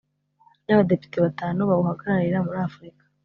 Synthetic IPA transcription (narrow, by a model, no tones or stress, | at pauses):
naβade̞pi̥teβataːnuβauhaɡaɾaɾiɾamuɾaːfuɾikḁ